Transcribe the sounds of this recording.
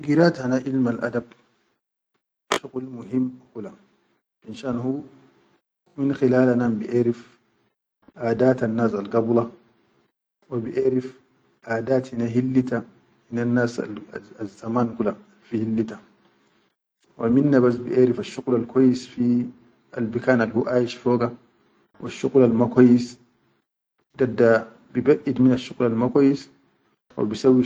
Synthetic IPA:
ɡiɾaːt̪hanaʔilmalʔa̰d̪ab̚ | ʃuqlmuɦimːkula | binʃaːnhu | minxilaːlanambiʔeːɾif | ʔaːd̪aːt̪anːaːsalɡɑblɑ | wabiʔeːɾif | ʔaːd̪aːt̪hinaɦilːit̪a | hinanːaːsazːamaːnkula | fihilːit̪a | wʔaminːabas̬bḭʔeːɾifaʃːuqlalkwajːisfi | a̰lbikaːnalhuʔaːjiʃfoːɡa | wʔa̰ʃːuqlalmakwajːis | d̪adːa | bibaʔid̪minaʃːuqlalmakʷajːis | wa̰bisawːi

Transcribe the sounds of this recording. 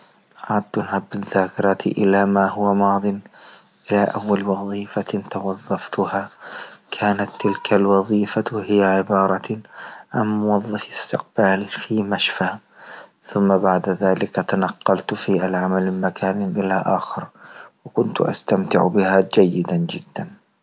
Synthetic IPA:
ʔaʕad̪ːanhabːɪðːaːkɪɾˤɑt̪ʰʔɪlamaːhʊwamɑːd̪ˤɨn | ʔɪlaʔawːalwɑðˤiːfat̪awɑðˤːɑft̪ʊhakʰaːnat̪ːɪlkʰalwɑðˤiːfahɪjaʕɪbɑːɾˤɑ | ʕamːʊwɑðˤːɑfɪst̪ɪq̚baːlfiːmaʃfa | θʊmːabaʕd̪ðaːlɪkat̪anɑqːɑlt̪fiʔalʕamalmɪmakʰaːnɪʔɪlaʔaːxɪɾwɪkʊnt̪ʔa̰st̪amt̪ɪ̰ʕbɪhad͡ʒajːɪd̪and͡ʒɪd̪ːan

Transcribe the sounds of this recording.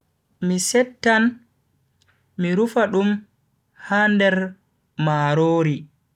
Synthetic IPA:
misɛtːan | miɾufaɗum | handɛɾ | maːɾoːɾi

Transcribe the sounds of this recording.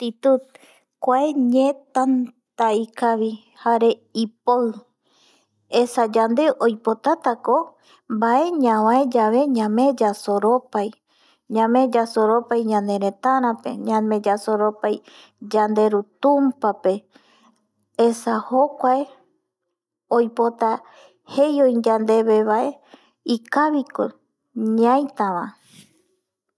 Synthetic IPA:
t̪it̪ut̪̚ | kʷaeɲẽt̪an | t̪aikaʋi | haɾe̞ipoɨ | esad͡ʒand̪e̞ʔojpot̪at̪ako | mbaʔe̞ɲãwãed͡ʒaβe̞ɲãmẽd͡ʒasoɾopaj | ɲãmẽ̞d͡ʒasoɾo̞pajɲãnd̪e̞ɾẽt̪aɾ̃ãpe̞̰ɲãmẽd͡ʒasoɾopaj | d͡ʒand̪e̞ɾut̪ũmpape̞ | esahokʷae | ojpot̪a | hejõjd͡ʒand̪e̞βe̞βae̞ | ikaβiko | ɲãjt̪aʋã

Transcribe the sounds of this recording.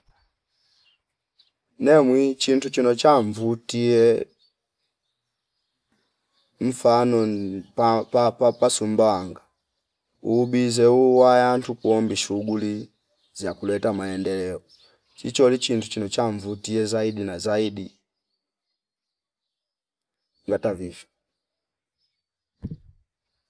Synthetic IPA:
nɛmwit͡ʃintut͡ʃinɔt͡ʃaɱvutiɛ | ɱ̩fanɔ | apasumbaaŋɡa | uːbizɛuwajantukuɔmbiʃuɡuli | zakulɛtamaɛndɛlɛɔ | t͡ʃit͡ʃɔlit͡ʃintut͡ʃinɔt͡ʃaɱvutiɛzaidinazaidi | ŋɡatavivjɔ

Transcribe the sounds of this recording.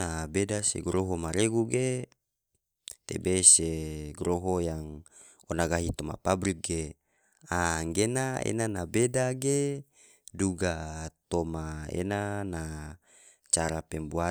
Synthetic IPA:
abedasḛɡɾoɦomaɾeɡuɡe | t̪ḛbeseɡɾoɦojaŋ | onaɡaɦit̪oma̰pabɾik̚ɡe | aŋɡenaḛnanabedaɡe | duɡat̪omaḛnana | t͡ʃaɾapembua

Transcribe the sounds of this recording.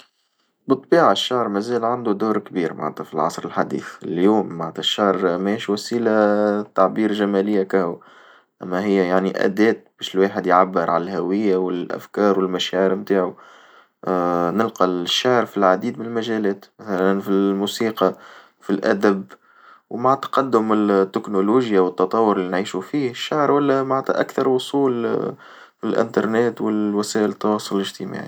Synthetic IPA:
bɨt̪ˤːbiːʕaʃːɑʕɾˤmæzæːlʕand̪ud̪uːɾkbiːɾmʔa̰ʕæt̪ɑfilʕɑsˤɾəlħad̪ḭːθɪljuːmːaʕt̪æʃːɑʕɾmæːʃwæsiːlat̪ːaʕbiːɾʒæmælɪjːakæhu | ʔæmːæɦɪjːæjaʕniʔæ̰d̪ɛːt̪̚b̥ɛːʃɪlweːħəd̪jʕabːɪɾʕa̰lælɦæwɪjːawɪlʔæ̰fkɑːɾwɪlmæʃæʕəɾmt̪aːʕu | nɪlqɑʃːaʕɾfilʕad̪iːd̪mɪnɪlmæʒælɛːt̪mæθælænfilmuːsiːqɑ | filʔæd̪æb | wmaʕt̪ɑ̥qɑd̪ːʊmɪt̪ːɪknʊluːʒjawət̪ːɑt̪ˤɑwːʊɾɪlːinʕiːʃufiːhʃːaʕɾwælːæmaʕt̪ʔækθɑɾˤwʊsˤuːl | filʔɪ̰nt̪ɑɾˤneːt̪wɪlwæsæːʔɪlt̪ːɑwɑːsˤʊllɪʒt̪ima̰ːʕḭ

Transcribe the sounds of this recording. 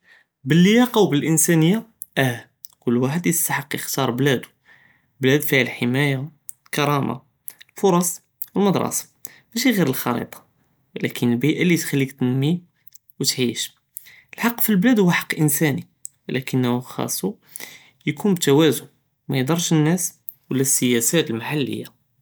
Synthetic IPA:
bəlːəjɑqɑwbəlʔənsænəjːa | ʔæ | kʊlːwaħəd̪jəst̪aħəqːjəxt̪ɑɾˤblæd̪u̥ | blæd̪fihælħəmæjalkɑɾˤɑmʔa̰ | lfʊɾˤɑsˤ | wəlmɑd̪ɾˤɑ̰sɑ̥ | bæʃ̬iɣiɾəlxɑ̰ɾḭt̪ˤɑ̥ | wlækənəlbiʔalit̪xælːikt̪ənmi | wət̪ʕiʃ | əlħɑqːfilblæd̪hʊwæħɑ̥qːʔənsæni | wlækənːhuxɑ̰sˤːu | jkunbt̪ːæwæzʊn | mæjd̪ˤɑɾˤʃənːæs | wəlːæsːəjæsæt̪əlmaħalːə̰jːa

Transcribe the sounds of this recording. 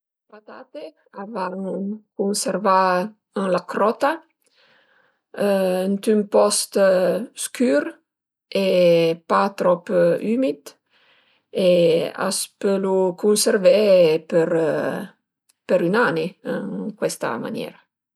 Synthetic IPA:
pat̪at̪e | avaŋkunseɾva | əŋlakɾɔt̪a | ənt̪ympɔst̪skyɾ | epat̪ɾɔpymid̪ | ea̰spølukunservepeɾ | peɾynaneəkwɛst̪a̰ma̰njɛ̰ɾa

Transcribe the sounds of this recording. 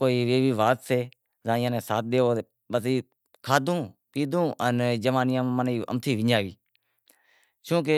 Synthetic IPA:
koːiːʋeːʋiːʋaːt̪seː | zãːɪjãːnẽːsaːt̪̚ɗ̪eːoː | ɓəsiː | kʰaːd̪ʱũːpiːd̪ũːənd͡ʒəʋãːnɪjãːməniːə̰mt̪ʰiːʋɪɲaːʋḭː | t͡ʃũːk̬e

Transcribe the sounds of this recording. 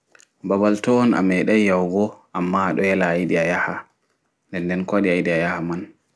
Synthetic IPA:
babaltɔːna̰mɛɗajjawɡɔʔamːaɗɔjɛlaːjɗiajaha | ndɛndɛnkaɗiajɗiajahaman

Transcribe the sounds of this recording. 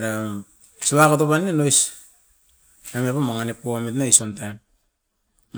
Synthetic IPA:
ɾa | siβakatopanːenojs | amepamaŋanipomitnaisontam

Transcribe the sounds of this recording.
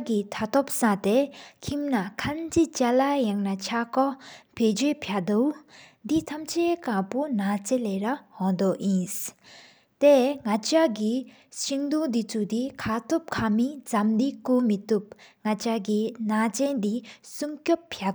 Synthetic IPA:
kit̪ʰat̪ʰɔp̚sat̪ekʰimnakʰant͡ɕit͡ɕalajaŋnat͡ɕʰakɔped͡ʑøːpʰaʔd̪od̪it̪ʰamt͡ɕʰekapunat͡ɕeleːrahɔd̪oʔjins | t̪eŋat͡ɕaɡi | ɕiŋd̪ud̪it͡sʰud̪ikʰat̪ʰop̚kʰamit͡samd̪ikumit̪up̚ŋat͡ɕaɡinat͡ɕend̪isumcopːʰja

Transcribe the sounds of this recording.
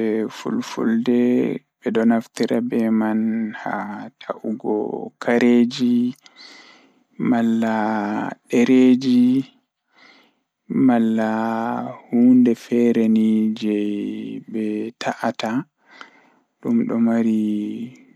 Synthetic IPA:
ɛfṵlfṵldɛbɛɗɔnaftiɾʔabɛmanha̰tʰaʔuɡɔ̰kʰaɾed͡ʒi | malːaɗɛɾed͡ʒi | malːa | huːndɛfɛɾenid͡ʒɛjbɛtʰaʔata | ɗumɗɔmaɾi

